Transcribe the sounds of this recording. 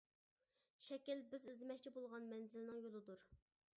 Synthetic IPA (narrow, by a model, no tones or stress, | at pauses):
ʃɛkʲɪlbɪzɪzlɪmɛk̚ʲt͡ʃʰibolˠʁɑnmɛnzɪlɪnɪŋjolˠɨd̪uɾ